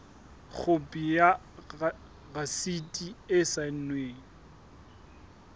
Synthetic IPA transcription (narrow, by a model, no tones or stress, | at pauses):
k͡xʰʊpʼija | ɣasitʼiɪsan̩nweːŋ̩